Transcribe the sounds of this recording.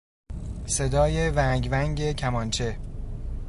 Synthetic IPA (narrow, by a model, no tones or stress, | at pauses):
se̞d̪ɒːje̞væŋɟvæŋɟe̞cʰæmɒnt͡ʃʰe̞